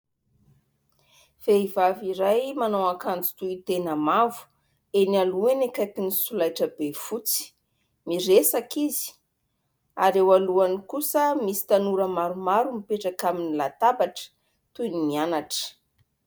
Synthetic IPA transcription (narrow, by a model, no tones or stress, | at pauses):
v̥eivaviɾajmanowakand͡zi̥t̪uit̪enəmavu̥ | enaluenekat̪inisulajʈ͡ʂəbefut͡si̥ | miɾesakizi̥ | aɾewaluanikusəmisi̥t̪anuɾəmaɾumaɾumipeʈ͡ʂakaminilat̪abaʈ͡ʂə̥ | t̪ujnimianaʈ͡ʂə̥